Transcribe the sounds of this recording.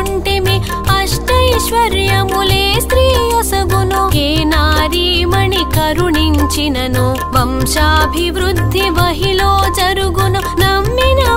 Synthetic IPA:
ɳʈemi | ɐʂʈɐiʃʋɐɾjɐmulest̪ɾiːjɐsɐɡunokeːnaːɾimɐɳikɐɾuɳiɲt͡ʃinɐnu | ʋɐmʃaːbʱiʋɾud̪ʱːiʋɐɦiloːd͡ʒɐɾuɡunonɐmːinɐ

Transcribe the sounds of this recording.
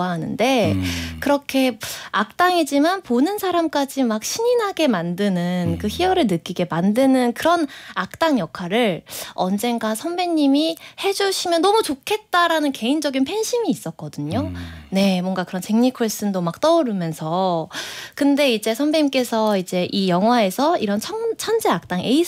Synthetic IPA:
aɦanɯ̰nde̞kɯɾʌkʰe̞ak̚t͈aŋid͡ʑimanponɯnsʰaɾamk͈ad͡ʑimak̚ɕʰiɲinɦaɡe̞mandɯnɯnkɯçiʌɾɯɭnɯk͈iɡe̞mandɯnɯnkɯɾʌnak̚t͈aŋjʌkʰaɾɯɭʌnd͡ʑe̞nɡasʰʌnbe̞ɲːimihe̞d͡ʑuɕʰimjʌnːʌmut͡ɕokʰe̞t̚t͈aɾanɯnke̞ind͡ʑʌɡinpʰe̞nɕʰimiːs͈ʌk̚k͈ʌdɯɲone̞mwʌŋɡakɯɾʌnt͡ɕeŋɲikʰoɭs͈ɯndomak̚t͈ʌoɾɯmjʌnsʰʌ | kɯnde̞id͡ʑe̞sʰʌmbeɲimk͈e̞sʰʌid͡ʑe̞ʔijʌŋɦwae̞sʰʌiɾʌnt͡ɕʰʌŋt͡ɕʰʌnd͡ʑeak̚t͈aŋe̞i

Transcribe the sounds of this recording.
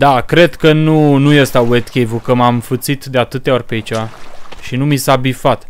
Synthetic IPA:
d̪akɾe̞d̪kənunujest̪awet̪kʲejvukəmamfɨt̪sit̪d̪e̞at̪ɨt̪eaorʲpeit͡ʃevaʃinumisabifat̪

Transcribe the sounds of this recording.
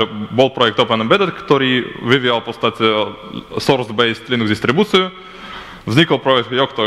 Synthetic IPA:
bolˠpɾɔjɛk̚t̪opɛnənbɛd̪t̪kt̪ɔɾivivialˠpɔst̪at̪ʲi | sɔɾsbejst̪linuɡzd̪ist̪ɾibut̪siu | vznʲikəlˠpɾɔɛk̚t̪jɔkt̪ɔ

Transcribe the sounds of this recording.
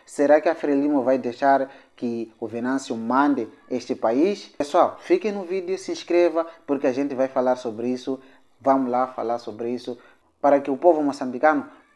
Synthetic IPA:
seɾakɪafɾelimovajd̪eʃaɾkɪuvenãsjumãnd̪ɪ | eʃt̪ɪpaiʃeswawfikẽnʊvid̪eʊsĩskɾevɐpuɾkɪaʒẽnt̪ɪvajfalaɾsobɾɪisu | vãmʊlafa̰laɾsobɾɪisʊ | paɾɐkɪupovumosɐ̃mbikãnʊ

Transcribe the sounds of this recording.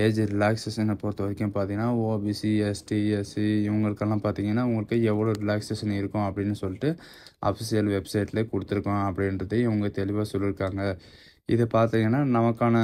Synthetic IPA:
eːd͡ʒɾɪlaːksesɛnːɐpoːɾt̪ːɯʋɐɾɪkːɐ̃ːpaːɾt̪ĩːŋɡɐnːaːoːbisiɛsʈiɛsɪʋɐŋɡɐɭɯkːɐlːãːpaːɾt̪iːŋɡɐnːaːʋʊŋɡɐɭɯkːɯɛʋːɐɭoːɾɪlaːksesɐnɪɾɯkːʊ̃ɐpːɐɽɪnːɯsɔlːɪʈːɯ | ʔɐ̰fɪsɪjɐlʋɛbsɐɪʈlɐkɔɽɯt̪ːɯɾɯkːʊ̃ɐpːɐɽɪnɾɐðɯɪʋɐŋɡɐt̪ɛlɪʋaːsɔlːɪɾɯkːaːŋɡɐ | ɪðɯpaːɾt̪iːŋɡɐnːaːnɐmɐkːaːnɐ

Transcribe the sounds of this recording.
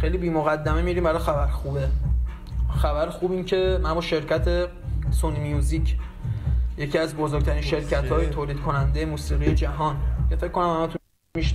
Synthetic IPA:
xejliːbiːmoɣæd̪ːæmemiɾiːmbæɾɒːxæbæɾxube | xæbæɾxuːbincʰe̞mænbɒːʃe̞ɾcʰæt̪ʰe̞ | sonimjuːzicʰ | je̞cʰiæzbozoːɡ̥̚ɟ̚t̪ʰæɾiːnʃe̞ɾcʰæt̪ʰhɒːjet̪ʰoːliːd̪̥kʰo̞nænd̪ejemuːsiːɣijed͡ʒæɦɒnce̞fekʰːo̞næmhæmæt̪ʰu | miʃ

